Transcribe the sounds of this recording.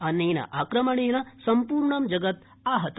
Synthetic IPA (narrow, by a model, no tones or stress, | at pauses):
ɐnːeːnɐ̰ʔaːkɾɐmɐɳeːnɐsɐmpuːɾɳɐmd͡ʒɐɡɐt̪ | aːɦɐt̪